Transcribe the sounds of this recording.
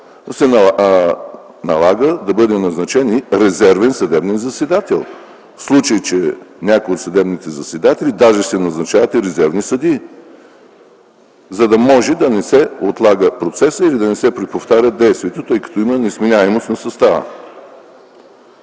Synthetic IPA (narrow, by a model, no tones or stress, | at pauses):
sɛn | nɐ̰lˠaɡəd̪ɐbɤd̪ɛnɐznɐt͡ʃɛniɾɛzɛɾvɛnsɐd̪ɛbnɛnzɐsɛd̪at̪ɛlˠ | fslˠut͡ʃəjt͡ʃɛnʲakojot̪sɐd̪ɛbnit̪ɛzɐsɛd̪at̪ɛlid̪aʒɛsɛnɐznɐt͡ʃavɐt̪iɾɛzɛɾvnisɐd̪i | zɐd̪ɐmɔʒɛd̪ɐnɛsɛot̪lˠaɡəpɾot̪sɛsəilid̪ɐnɛsɛpɾɛpoft̪aɾʲəd̪ɛjst̪viɛt̪ot̪ɤjkɐ̥t̪ɔimənɛsminʲaɛmost̪nɐsɐst̪avə̰